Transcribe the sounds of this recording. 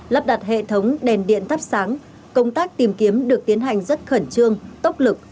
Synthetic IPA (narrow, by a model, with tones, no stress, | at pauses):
lə˨˥p̚ɗa˨˩t̚hḛ˧˨t̪ʰə˨˦wŋ͡mɗɛ˨˩nɗḭ˧˨ənt̪ʰə˦˥p̚saː˨˦ŋ | kə˧wŋ͡mt̪aː˦˥k̚t̪i˨˩mki˨˦əmɗɨ˨˩ək̚t̪i˨˦ənɦa˨˩jŋ̟zə˦˥t̚xə˧˩nt͡ɕɨ˧əŋt̪ə˦˥wk͡p̚lɨ˨˩k̚